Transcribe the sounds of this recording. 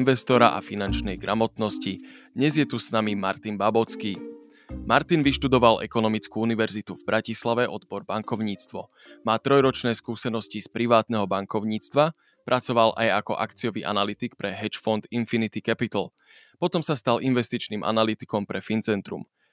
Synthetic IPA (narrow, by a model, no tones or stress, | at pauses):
nʋɛst̪ɔɾa̰ʔa̰finant͡ʃnɛjɡɾamɔt̪nɔscid̪ɲɛzjɛt̪usnamima̰ɾt̪inbabɔt͡skiː | maɾt̪inʋiʃt̪ud̪ɔʋalʔɛ̰kɔnɔmit͡skuuniʋɛɾzit̪uvbɾʔacislaʋɛʔɔd̪bɔɾbaŋkɔʊɲiːt͡st̪ʋɔ̰ | maːt̪ɾɔjɾɔt͡ʃnɛːskuːsɛnɔscispɾiʋaːt̪nɛɦɔbaŋkɔʊɲiːt͡st̪ʋa | pɾʔat͡sɔʋalʔa̰jakɔ̰ʔa̰kt͡siɔʋḭːʔa̰nalit̪ik̚pɾɛɦɛt͡ʃfɔnd̪infinit̪ikɛpit̪l̩ | pɔt̪ɔmsast̪alʔinʋɛst̪it͡ʃniːmʔa̰nalit̪i̥kɔmpɾɛfint͡sɛnt̪ɾṵm